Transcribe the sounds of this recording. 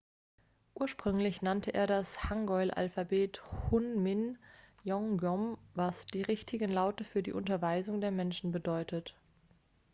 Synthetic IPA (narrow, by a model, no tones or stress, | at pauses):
ʔuːɐʃpʁ̥ʏŋlɪçnantʰəʔḛːɐɾashaŋɡɔʏlʔa̰lfabeːthʊnmɪnjɔŋɡɔmvasd̥iːʁɪçtʰɪɡən̩laʊtəfyːɐdḭːʔʊntɐvaɪzʊŋdeːɐmɛnʃn̩bədɔʏtət